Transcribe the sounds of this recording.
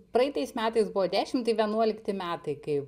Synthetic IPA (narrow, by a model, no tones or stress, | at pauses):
pɾɐɪt̪ɐɪsmʲæːt̪ɐɪsbʊʋoːd̪ʲæːʃʲɪmt̪ɐɪʋʲiɛnuɔlʲɪkt̪ʲɪmʲæːt̪ɐɪkɐɪ